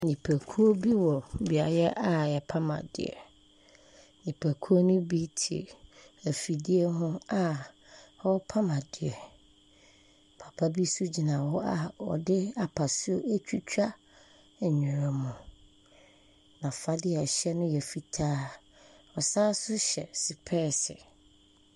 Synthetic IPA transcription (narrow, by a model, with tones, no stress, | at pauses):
ɲĩ˨pʰæ˨kʰu˦o˦bi˦wɔ˨bi˨a˨jɛ˦ʔa˨jɛ˨pʰa˦mã̰˨dɪ̰˨ɛ̰˨ | nĩ˨pʰæ˨kʰu˦o˦nʊ̃˦bi˦tʰḭ˨ | æ˨fi˨di˦ɛ˦ɦʊ̃˦a˦˨ | ɔ˦pʰa˦mã˨dɪ˨ɛ˨ | pʰa˨pʰa˦bi˦su˦d͡ʑi˨nã˨wɔ˦a˨ɔ̰˨dɪ˦a˨pʰa˨sʊ˦o˦ʔæ˦t͡ɕᶣiu˦t͡ɕᶣa˦˨ | ɲᶣɪ̃˨ɾɛ˨mʊ̃˨ | nã˨fa˦dɪ˦ɛ˨ɕɛ˦nʊ̃˦jɛ˨fi˨tʰaː˦ | ɔ˨saː˦sʊ˦ɕɛ̰˨si˨pʰɛː˦˨sɪ˨